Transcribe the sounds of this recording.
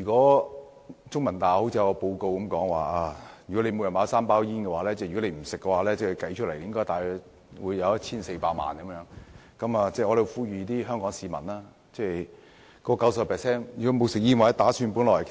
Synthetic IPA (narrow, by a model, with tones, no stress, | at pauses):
yː˨˩kɔː˨˥ | t͡sʊ˥ŋmɐ˨˩nt̪aː˨˩ho˨˥wt͡sʰiː˧jɐ˧kɔ˧po˧wko˧wkɐ˨˦mkɔː˨˥ŋwa̰ː˨˩aː˧jy˨kɔ˨˥le˨˧mo˨˧wjɐ˨nmaː˨˧wsaː˥mpaː˥wjiː˥nkɛ˧waː˨˥lɛː˥t͡sɛ˥˩jɔ˨˦˥le˧jm̩˨˩sɪ˨kːɛ˧waː˨˥lɛː˥t͡sɛː˥˩˨kɐ˨˥jt͡ʃʰɵ˥le˨˩jɪ˥ŋkɔː˥jt̪aː˨˩j̚ | wuː˨˧jːɐ˨˧wjɐ˥t̚t͡sʰiː˥nse˧jpaː˧˥ma̰ː˨nkmjœː˨˥ŋ | kɐ˨˥mɐː˨˧t͡sɛː˥˩ŋɔː˨˧le˧wfuː˧˥˩ɥyː˨˧t̪iː˥ɦœː˥ŋkɔː˨˥ŋsiː˨˧mɐ˨˩naː˧ | t͡sɛː˥˩j | kɔː˧kɐ˨˥wsɐ˨pʰɛː˨sɛː˥njyː˨˩kɔː˨˧˥mo˨˧wsɪ˨k̚jiː˥nwa˨˧˦t̪aː˨˥syː˧npuː˨˥nlɔː˨˩jkʰ